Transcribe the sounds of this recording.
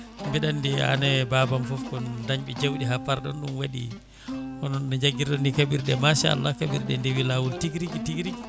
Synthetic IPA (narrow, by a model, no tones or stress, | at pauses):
mbiɗandia̰nɛbabamfɔfkɔndaɲɓɛd͡ʒawɗiɦapːaɾɗɔ̰nɗumwaɗḭ | ɔnɔnːɔd͡ʒaɡiɾɗɔnikaɓiɾɗɛmaʃaa̰lːakaɓiɾɗɛndewilawultiɡɾiɡitiɡɾiɡ